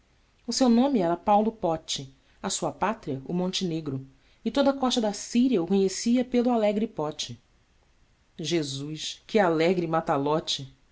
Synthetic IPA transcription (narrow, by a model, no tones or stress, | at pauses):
ʊsewnõmɪɛɾɐpawlʊpɔt͡ʃɪ | ɐsuɐpat̪ɾiɐʊmõnt͡ʃɪneɡɾʊ | ɪt̪od̪ɐkɔʃt̪ɐd̪asiɾiɐʊkoɲesiɐpelʊalɛɡɾɪpɔt͡ʃɪ | ʒezuʃkɪalɛɡɾɪmat̪alɔt͡ʃɪ